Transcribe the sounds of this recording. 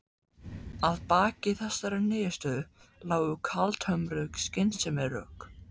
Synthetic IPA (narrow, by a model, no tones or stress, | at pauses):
aðpaːcɪθɛsːaɾɛneːjast̪œðʏlaːwʏkʰalt̪ʰhœmɾœkscɪnsɛmɛrœ̰ːk